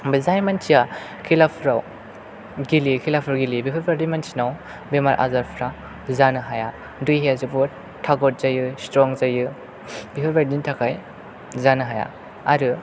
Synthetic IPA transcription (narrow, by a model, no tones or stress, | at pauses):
bizajmant͡ʃʰija | kʰilapʰɾaw | ɡilikʰilapʰɾawɡilibipʰɔɾbaɾdinmant͡ʃʰinaw | bemaɾʔa̰zaɾpʰɾa | zanɯɦaja | dujɦeazɯbɔ | tʰːaɡɔt̚z̥ajɯstɾɔŋzajɯ | bipʰɯɾbaɾdintʰakʰaj | zanɯɦaja̰ | aɾɯ